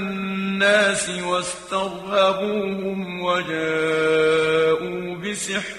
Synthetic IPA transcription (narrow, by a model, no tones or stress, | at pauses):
nːaːsɪwast̪aɣhabuːhʊmwad͡ʒaː | ʔuː | bɪsɨħ